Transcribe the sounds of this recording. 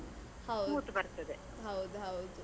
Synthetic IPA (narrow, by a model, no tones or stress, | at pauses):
hɐwmuːt̪bɐɾt̪ɐd̪e | ɦɐwd̪uɦɐwd̪u